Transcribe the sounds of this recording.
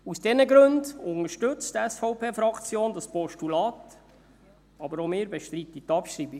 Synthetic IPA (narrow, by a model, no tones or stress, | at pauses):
usd̥ɛnəɡɾɵndʊŋəʃtɵt͡stɛsfɔʊpʰeːfɾɑkt͡sjoːndɑspɔʃtulɑːt | ɑbəɾomɪːɾbɛʃtɾit̪it̪ːɑpʃɾiːbi